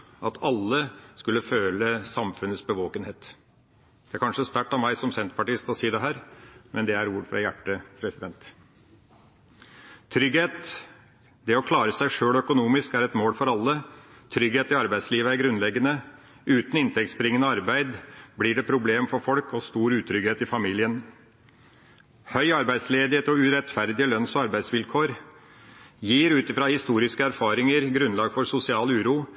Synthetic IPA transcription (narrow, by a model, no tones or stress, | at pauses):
ɑt̪ʰɑlːəskʉlːəføːləsɑmfʉnəsbəʋoːkənheːt̪ | d̪ɛæɾkʰɑnʂəst̪æʈːɑmæɪsɔmsɛnt̪pɑʈiːst̪ɔsiːd̪ɛɦæːɾmʔɛnd̪ɛæɾuːɾfɾɑ̰jæʈːəpʰɾɛsɪd̪ɛnt̪ | t̪ʰɾʏɡeːt̪ | d̪ɛɔkʰlɑːɾəsæɪʂøːɭœkʊnuːmɪskæɾɛt̪moːlfɔɾɑlːət̪ʰɾʏɡheːt̪ɪɑɾbæɪd̪sliːʋəæɾɡɾʉnlɛɡːənə | ʔʉːt̪n̩ɪnt̪ʰɛkt̪sbəɾɪŋənəɑɾbæɪd̪blɪɖɛpʰɾʊbleːmfɔɾfɔlkɔst̪uːɾʉːt̪ʰɾʏɡeːt̪ɪfɑmiːlɪən | hœʏɑɾbæɪd̪sleːd̪ɪheːt̪ɔʉɾɛt̪fæɾd̪ɪəlœnsɔɑɾbæɪsʋɪlkʰoːɾ | jiːɾʉːt̪ɪfɾɑːhɪst̪uːɾɪskəæɾfɑːɾɪŋəɾɡɾʉnlɑːɡfɔɾsʊsɪɑːlʉːɾuː